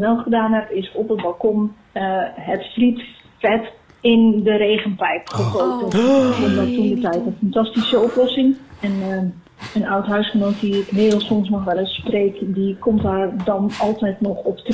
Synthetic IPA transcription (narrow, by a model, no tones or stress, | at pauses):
ʋɛlˠχədaːnɦɛpɪsɔpətbalˠkɔm | ɦətfrit | fɛt | ɪndəɾeːɣənpɛjkχəχoːtənɔndɔttundətɛjtənfantɑstisəoplɔsɪŋɛn | ənawtɦœɥsχənoːtiɪknɪːdl̩ˠsɔmsnɔxʋɛlˠəspreːkdikɔmtardɔnɑlˠtɛjtnɔxɔpt